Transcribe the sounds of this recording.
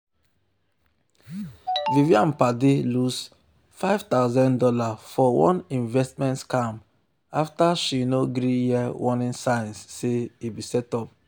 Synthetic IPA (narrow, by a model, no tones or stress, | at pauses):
viviãmpadelus | faɪv̥t̪aʊzãndɔlafɔwɔ̰̃nĩnvɛstmɛ̃ntskãm | aftaʃinoɡɾijiwɔnĩnsãjnsːeibisɛtɔp̚